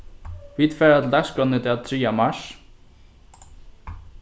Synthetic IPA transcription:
vit̪fɛːɾat̪ʰɪlt̪ɛskɔnɪt̪ʰɪat̪ʰɾiːjamaʂ

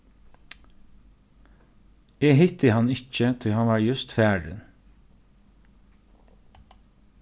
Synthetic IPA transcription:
ɛːɦɪt̪ɪhanɪt͡ʃət̪ʰiːɦanʋɑɹjʉst̪fæːɹə̰n

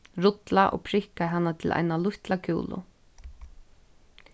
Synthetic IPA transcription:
ɾʊt̪laʔɔ̰ːɣpʰɾɪhkaɦanːat̪ʰɪlʔa̰jnalʊht̪lakʰṵːlʊ̰

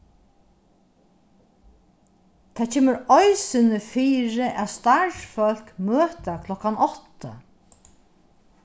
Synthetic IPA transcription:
t̪ʰat͡ʃʰeːməɾɔjsɪnəfiːɾɪʔæðst̪aʂfœl̥kmøːt̪akʰlɔkanɔht̪a̰

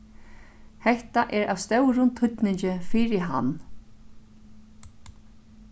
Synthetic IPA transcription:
hɛht̪aʔɛɹʔa̰ʋst̪œwɾʊnt̪ʰʊt̪nɪɲt͡ʃɪfiːɾɪɦa̰nː

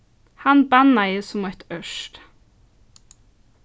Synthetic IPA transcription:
hɑnbɑnɑɪsʊmæt̪œʃt

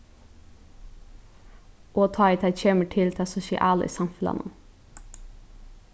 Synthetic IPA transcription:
ʔoːt̪ʰɑːɪt̪ʰæc͡çʰeːməʈʰɪlt̪ʰɛɑsʊʃɪʔɑːlə̰ʔḭːsɑmfʉlɑ̰nə̰n

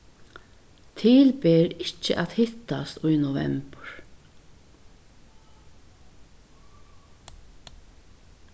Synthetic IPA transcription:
t̪ʰiːlpeːɾɪt͡ʃːə̰ʔat̪hɪt̪ast̪ʊjnʊvɛ̰mpəɹ

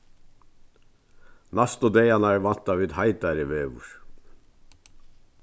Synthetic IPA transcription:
nɑst̪od̪eɪɑnæːɹʋɑnt̪ɑʋiːd̪hɑɪt̪ɑɾiʋeːʋʊ̰ɹ

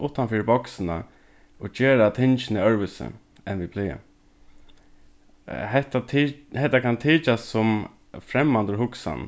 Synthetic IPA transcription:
ʔʊht̪anfiːɾbɔksɪna̰ | od͡ʒeːɾat̪ʰɪnt͡ʃɪnɪœɹʋɪsə̰ | ɛnʋipʰlɪːə̰ | hɛt̪ahɛt̪akʰant̪ʰiːt͡ʃassʊm | fɾɛmːant̪ʊɹɦʊksa̰n

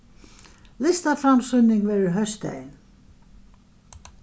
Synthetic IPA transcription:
lɪst̪afɾamsʏnːɪŋɡvɛːɾɪɹɦœst̪ɛ̰jn

